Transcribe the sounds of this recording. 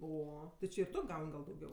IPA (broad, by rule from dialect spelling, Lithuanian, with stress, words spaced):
ˈoː tʲɪ ˈt͡ʃʲɪ ɪr ˈtʊ ˈɡɐʊnʲ ɡɐlˠ dɐʊˈɡʲɛʊ